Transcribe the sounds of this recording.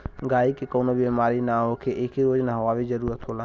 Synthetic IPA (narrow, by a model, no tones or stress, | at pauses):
ɡaːikekoːnobeːmaːɾinaːɦoːkʰeʔekʰiɾoːd͡ʒnaɦoʋaːʋizəɾuːɾət̪ɦoːlaː